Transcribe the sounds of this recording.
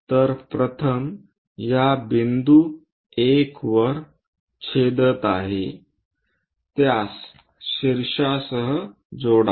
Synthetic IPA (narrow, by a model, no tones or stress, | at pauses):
t̪əɾpɾət̪ʰəm | jabind̪u | ekʋəɾ | kʰed̪ət̪aɦḛ | t̪jas | ɕiɾɕasəɦə | d͡zoɽa